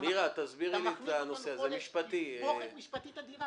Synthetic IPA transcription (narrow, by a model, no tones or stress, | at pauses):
niʁat̪azbiʁlit̪ano̞seazemiʃpat̪i